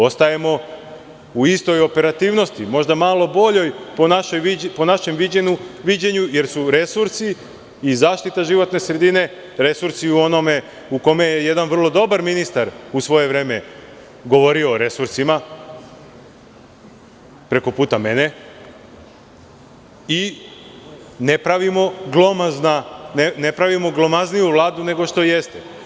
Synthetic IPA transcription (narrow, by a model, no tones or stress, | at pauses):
o̞st̪aje̞mo̞ | uist̪o̞jo̞pe̞ɾat̪iːʋno̞st̪imo̞ʒd̪amaːlˠo̞bo̞ʎo̞jponaʃojipo̞naʃe̞mʋid͡ʑenuʋid͡ʑeɲuje̞ɾsuɾe̞suɾsi | izaːʃt̪it̪aʒiʋo̞t̪ne̞sɾe̞d̪ine̞ | ɾe̞suɾsiuo̞no̞me̞ | uko̞mejeje̞d̪anʋr̩lˠo̞d̪o̞baɾminist̪aɾusʋo̞je̞ʋɾe̞ːme̞ | ɡo̞ʋo̞ɾio̞ːɾe̞suɾsima | pɾe̞ko̞puːt̪ame̞ne̞ | i | ne̞pɾaʋimo̞ɡlˠo̞maznanene̞pɾaʋimo̞ɡlˠo̞maznijuʋlˠaːd̪une̞ɡo̞ʃt̪o̞je̞st̪e